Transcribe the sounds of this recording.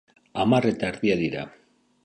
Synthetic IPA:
amare̞t̪aeɾðiaðiɾa̰

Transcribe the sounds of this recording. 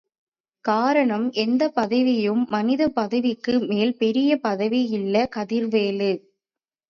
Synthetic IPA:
kaːɾɐɳɐmʔɛnd̪ɐpɐðɐʋɪjɯmːɐnɪðɐpɐðɐʋɪkːɯmeːlpɛɾɪjɐpɐðɐʋɪjɪlːɐkɐðɪɾʋeːlɯ

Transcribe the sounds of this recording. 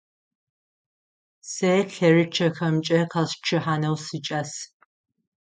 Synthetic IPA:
sejɬɐrɨt͡ʃʰɐxɐmt͡ʃʼɐqʰɐst͡ʃʰɨħaːnɐwsɨt͡ʃʼɐs

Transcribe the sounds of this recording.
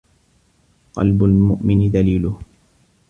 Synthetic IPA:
qɑ̰lbʊlmʊʔmɪnðaliːlʊh

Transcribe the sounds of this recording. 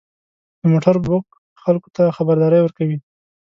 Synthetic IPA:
d̪əmoʈaɾbʊk | xalko̥t̪axabaɾd̪ɑɾəjwəɾkawi

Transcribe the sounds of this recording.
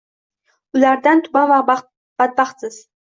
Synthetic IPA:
ʊlaɾd̪ant̪ʰʊbava | b̥at̪̚bɑχsɪz̥

